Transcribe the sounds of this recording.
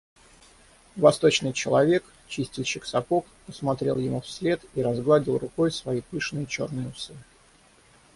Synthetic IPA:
vɐst̪o̞t͡ɕnɨjt͡ɕɪlˠɐvʲe̞k | t͡ɕisʲtʲɪlʲˠɕɨksɐpok | pəsmɐt̪ɾʲe̞lˠjɪmufsʲlʲe̞t̪iɾɐzɡlˠadʲɪlˠrʊko̞jsvɐipɨʂnɨjət͡ɕo̞̰rnɨjəʊsɨ

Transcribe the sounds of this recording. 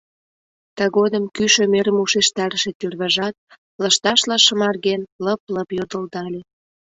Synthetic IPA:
t̪ɑɣod̪əmkyʃø̆meɾəmuʃeʃt̪ɑɾəʃet̪yrβɑʒɑt̪̚ | lə̆ʃt̪ɑʃlɑʃəmɑrɣenləp̚ləpjod̪əld̪ɑlʲe

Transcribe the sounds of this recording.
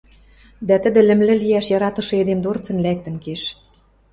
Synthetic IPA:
d̪æt̪ə̆d̪ɘ̆lɘ̆mlɘ̆liæʃjɑɾɑt̪ɤ̆ʃɤ̆ed̪emd̪ort͡sɤ̆nlæk̚t̪ə̆nkeʃ

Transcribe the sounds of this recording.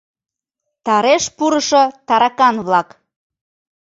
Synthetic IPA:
t̪ɑɾeʃpuɾəʃot̪ɑɾɑkɑnβlɑk

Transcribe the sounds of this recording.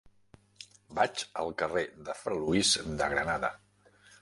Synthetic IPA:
bat͡ʃəlˠkəreðəfɾəluizd̪əɣɾənaðə̰

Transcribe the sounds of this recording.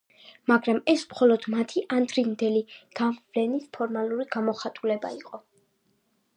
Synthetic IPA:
maɡɾamɛsmχɔlɔd̪̥mat̪ʰiʔand̪ɾind̪ɛliɡ̥avlɛnispʰɔɾmaluɾiɡamɔχat̪ʼulɛba̰iqʼɔ

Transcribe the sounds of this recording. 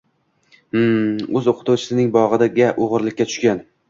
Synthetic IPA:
m̩ɵzoqʰɨ̥t̪ʰuwt͡ʃʰɪ̥sɪnɪŋbɒʁɨd̪aɡʲaʔoʁɨɾlɪkʲːat̪ʰʊ̥ʃkʲan

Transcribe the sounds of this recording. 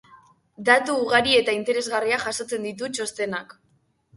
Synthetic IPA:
d̪at̪uːɣ̞aɾie̞t̪aint̪e̞ɾe̞zɣariaʝaso̞t͡se̞nd̪it̪̬ut͡ʃo̞st̪e̞nak

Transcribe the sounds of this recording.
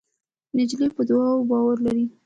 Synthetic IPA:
nɪd͡ʒlipəd̪wɑwobɑwaɾlaɾi

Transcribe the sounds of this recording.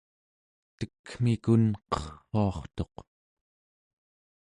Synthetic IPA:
t̪əkm̥ikunqʌχuɑχt̪o̞q

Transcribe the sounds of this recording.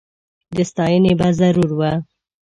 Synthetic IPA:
d̪əst̪ɑjənebazaɾuɾwa

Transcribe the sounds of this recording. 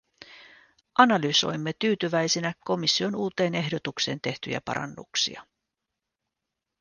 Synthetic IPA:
ʔɑnɑlyso̞̰jmːe̞t̪yːt̪yʋæjsinæko̞misːio̞nuːt̪e̞ːne̞ɦdo̞t̪ukse̞ːnt̪e̞ht̪y̰jæ̰pɑ̰ɾɑ̰nːṵksḭɑ

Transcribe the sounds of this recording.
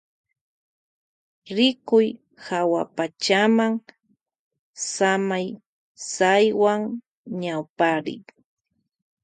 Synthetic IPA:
ɾɪkʊj | hawapat͡ʃamaŋ | samaj | sajwaŋ | ɲawpaɾɪ̰ŋ

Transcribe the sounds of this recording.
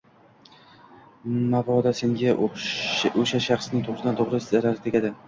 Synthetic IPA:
mavɒd̪ase̞ŋɡʲa | oʃaʃɑχsnɪŋt̪ʰʊʁɾsɪd̪ant̪ʰoʁɾɪzaɾaɾt̪ʰekʲad̪ɪ

